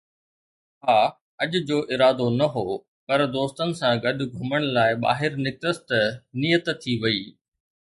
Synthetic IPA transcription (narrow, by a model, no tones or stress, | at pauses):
ɦaː | ɐʄʊ̆d͡ʑoːʔɪɾaːd̪onɐɦoː | pɐɾd̪oːst̪ənɪ̆sãɡɐɗʊ̆ɡʱʊməɽ̃laːɪɓa̰ːɦɪɾnɪk̪̚əst̪nijət̪t̪ʰiʋɐiː